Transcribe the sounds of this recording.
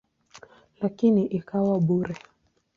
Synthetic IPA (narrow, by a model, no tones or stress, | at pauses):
lakiniʔikawaɓuɾɛ